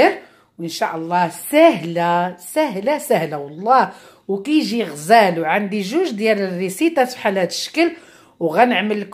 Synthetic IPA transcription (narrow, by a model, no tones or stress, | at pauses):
əɾ | wənʃaʔlˤːɑsæhlasæɦlasæhlawɑlˤːɑ | wkiʒiɣzælwʕand̪iʒuʒd̪jælərːisit̪ˤafi̥ħalæt̪ə̥ʃə̥kəl | wɣænəʕməlk